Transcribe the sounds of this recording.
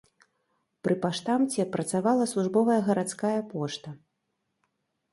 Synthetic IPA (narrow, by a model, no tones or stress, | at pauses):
pɾʔɨpaʂt̪amt͡sʲɛpɾɐt̪savalˠɐslˠuʐbɔvɐjɐɣɐɾat̪skajɐpɔʂt̪ɐ